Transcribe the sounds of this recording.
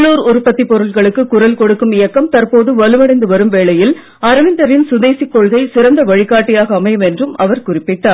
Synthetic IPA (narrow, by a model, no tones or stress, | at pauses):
ɭuːɾʊɾɯpːɐt̪ːipːɔɾɯlɣɐɭɯkːɯkʊɾɐlkɔɽɯkːɯmɪjɐkːɐmt̪ɐrpoːðɯʋɐlɯʋɐɽɐɪnd̪ɯʋɐɾɯmʋeːɭɐjɪl | ɐɾɐʋɪnd̪ɐɾɪnsʊðeːsikːɔɭɣɐɪsɪɾɐnd̪ɐʋɐɻɪkːaːʈːɪjaːɣɐːmɐjɐmɛndrɯmɐʋɐɾkʊrɪpːɪʈːaːɾ